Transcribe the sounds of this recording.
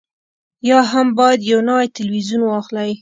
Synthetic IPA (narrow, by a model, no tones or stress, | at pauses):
jɑɦambɑjad̪jawnawajt̪ɪlwizunwɑxlaj